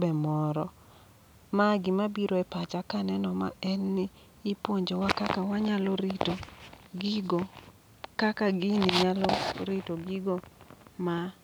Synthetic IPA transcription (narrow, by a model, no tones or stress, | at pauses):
bɛmɔɾɔ | maɡɪmabiɾoɛpat͡ʃakanɛnɔma̰ɛnːɪː | pwoɲd͡ʒowakakawaɲalɔɾitoɡɪɡo | kakaɡɪnɪɲalɔɾitoɡiɡoma